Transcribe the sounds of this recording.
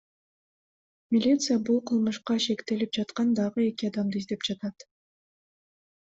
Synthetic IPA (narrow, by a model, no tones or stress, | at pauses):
mʲɪlʲit̪sɨjabulˠqʰɯlˠmɯʃqɑʃe̞kt̪e̞lip̚d͡ʒɑt̪qɑnd̪ɑʁɯe̞kiɑd̪ɑmd̪ɯizd̪e̞p̚d͡ʒɑt̪ɑt̪